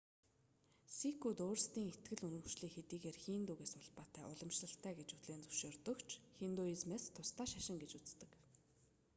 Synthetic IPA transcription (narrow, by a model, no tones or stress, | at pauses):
sikut̪oːr̆st̪iːŋet̪ɡɘ̆ɮɵnɵ̆wt͡ɕɮiːkxet̪iːɣeːrxiːnt̪uːɣeːsʊɮpaːt̪ʰæːʔʊɮɞ̆mʃɮə̆ɬt̪ʰæːɡet͡ɕut̪ɮeːnt͡sɵw̥ʃoːrt̪ɞ̆kt͡ɕʰxint̪oizmeːst̪ʰʊst̪aːʃaʃɪ̆ŋɡet͡ɕut͡st̪ɘ̆k